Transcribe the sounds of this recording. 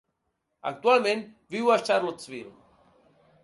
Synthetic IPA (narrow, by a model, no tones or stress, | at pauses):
a̰k̚t̪ualmẽnt̪ | viwaʃt͡ʃaɾlot͡sviɾṵ